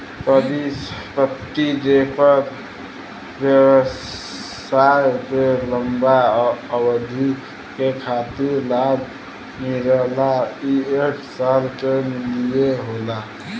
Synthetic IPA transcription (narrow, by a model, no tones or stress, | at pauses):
pəd̪ispət̪ːiɖepəɾ | bjewəs | ajkeləmbaəbəd̪ʱi | kekʰat̪iɾlab | miɾəlaieʈʰsalkemilijeɦola